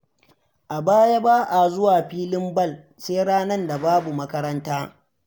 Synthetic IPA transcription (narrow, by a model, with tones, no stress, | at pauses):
ʔa˨baː˦ja˦baː˦ʔa˨zʊ˦waː˨ɸiː˦lɪ˦mbɐ˦˨l | seː˦ɽaː˦nɐ˦nda˨baː˦bu˨mɐ˦kɐ˦ɾɐ˦ntaː˦